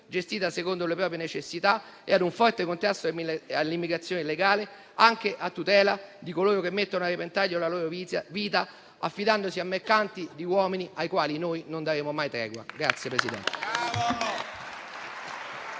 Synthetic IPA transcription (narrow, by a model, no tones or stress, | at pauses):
d͡ʒest̪iːt̪asekond̪olepɾɔːp̬ɾjenet͡ʃesːit̪a | ḛad̪uɱfɔrt̪ekont̪ɾast̪oalːimːiɡɾat̪sːjoːneleɡaːle | aŋk̟eʔat̪ːut̪ɛːlad̪ikoloːɾok̟emːet̪ːonoarːepent̪ajːoalaloːɾoviːt̪a | afːid̪and̪osiamːerkant̪id̪iwɔːminiajkwaːlinojnond̪aɾeːmomajt̪ɾɛ̰ːɡwa̰ɡɾat̪sːjepɾesid̪ɛ̰nt̪e